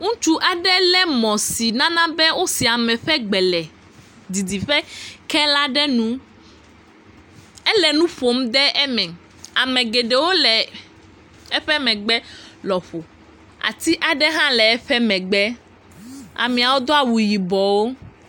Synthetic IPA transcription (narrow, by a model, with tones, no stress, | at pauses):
ŋũ˦t͡ʃu˦ʔa˨ɖɛ˦lɛ˦mɔ̃˨si˨nã˦nã˦bɛ˦wo˦si˨a˨mɛ̃˨ɸɛ˦ɡ͡bɛ˨lɛ˨ | d̪i˨d̪i˨ɸɛ˦kɛ˦la˦ɖɛ˦nũ˦ | ɛ˦lɛ˨nũ˦ɸo˨˦m˦d̪ɛ˦ʔɛ˦mɛ̃˨ | a˨mɛ̃˨ɡe˨ɖe˨wo˦lɛ˨ | ɛ˦ɸɛ˦mɛ̃˨ɡ͡bɛ˦lɔ˨ɸo˨ | a̰˨t̪i˦ʔa˨ɖɛ˦ɦã˦lɛ˨ɛ˦ɸɛ˦mɛ̃˨ɡ͡bɛ˦ | a̰˨mĩ˨a˨wo˦d̪o˦a˨wu˨ji˨bɔ˨wo˦